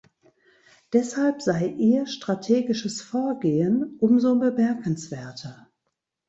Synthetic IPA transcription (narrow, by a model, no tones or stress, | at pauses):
d̥ɛshalpz̥aɪʔiːɐʃtʁ̥atʰeːɡɪʃəsfoːɐɡeːənʔʊmzoːbəmɛɐkənsv̥eːɐtʰə